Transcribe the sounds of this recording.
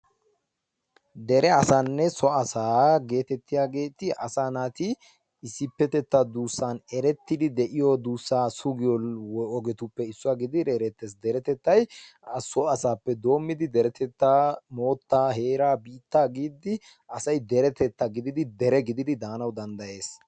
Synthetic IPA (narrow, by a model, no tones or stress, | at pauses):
d̪ɛɾɛɐsanːɛsɔɐsaːɡe̞ːt̪ɛt̪ːɪjaːɡe̞ːt̪ɪʔɐsaːnaːt̪ɪː | sːɪpːɛt̪ɛt̪ːɐd̪uːsːanɛɾɛt̪ːɪd̪ɪd̪ɛʔɪjɔd̪uːsːaːsʊɡɪjɔwɔjɔɡɛt̪ʊpːɛɪsːʊaɡɪd̪ɪɾɛɾɛt̪ːesd̪ɛɾɛt̪ɛt̪ːɐjɐsɔɐsaːpːɛd̪o̞ːmːɪd̪ɪd̪ɛɾɛt̪ɛt̪ːamo̞ːt̪ːaːɦe̞ːɾaːbiːt̪ːaːɡiːd̪ɪ | ʔɐsɐjd̪ɛɾɛt̪ɛt̪ːɐɡɪd̪ɪd̪ɪd̪ɛɾɛɡɪd̪ɪd̪ɪd̪aːnɐwd̪ɐnd̪ɐje̞ːs